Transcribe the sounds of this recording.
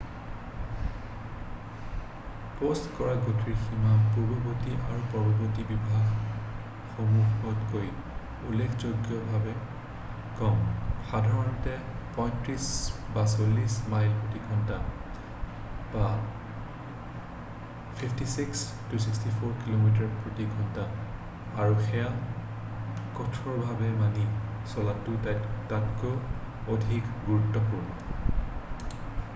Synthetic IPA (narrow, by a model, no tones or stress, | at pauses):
postkɔɹaɡotʰiɹximapubobotiʔaɹupɔɹbɔbotibibʱaɡ | xomuxɔtkoj | ulekʰzoɡjɔbʱabɛ | kɔmxadʱaɹɔntɛ | pɔjntɹisbasolismajlpotiɡʱɔnta | b̥a | pʰipʰtisiks | tusikstipʰoɹkilomit̬aɹpɹotiɡʱɔntaː | ɹuxɛja | kɔtʰɔɹbʱabɛmani | sɔlatʊtatatkʊ | odʱikɡuɹutːɔpuɹbɔ